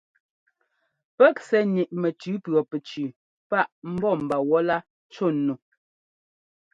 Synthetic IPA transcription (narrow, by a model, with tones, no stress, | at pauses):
pɛ˦k̚sɛ˨ɲi˨ʔmɛ˨tʉ˨˦pɰɔ˨pɛ˨t͡ʃʉ˨ | pa˦ʔm̩˦bɔ˦˨m̩˨ba˨wɔ˦la˦ | t͡ʃo˦˨nu˨